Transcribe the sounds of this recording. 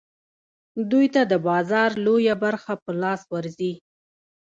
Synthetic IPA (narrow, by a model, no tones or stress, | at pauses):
d̪ujt̪ad̪əbɑzɑɾlojabaɾxapəlɑswaɾzi